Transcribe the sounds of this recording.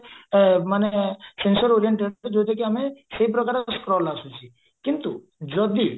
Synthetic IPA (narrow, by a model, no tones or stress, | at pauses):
manesẽnsəɾoɾijəɳʈeɖd͡ʒot̪ekiamẽseip̬ɾəkaːɾskɾɔlasũt͡ʃʰi | kint̪u | d͡ʒɔd̪ʱi